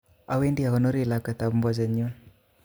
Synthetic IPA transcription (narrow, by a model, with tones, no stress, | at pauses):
a˨we˦ndi˦a˨ɣɔ˨no˦ɾi˦˨la˨ke˨ta˨bmbɔ˨ze˨ɲo˦